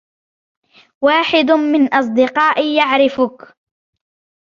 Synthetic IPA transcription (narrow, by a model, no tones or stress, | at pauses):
waːħɪd̪ʊmɪnʔɑs̬ˤd̪ɪqɑːʔɪjaʕɾɪfʊk